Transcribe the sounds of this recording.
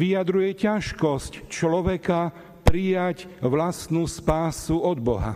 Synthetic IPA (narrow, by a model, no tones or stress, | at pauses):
ʋijad̪ɾujɛcaʃkɔsct͡ʃlɔʋɛka | pɾijacʋlast̪nuspaːsuɔd̪bɔ̰ɦa̰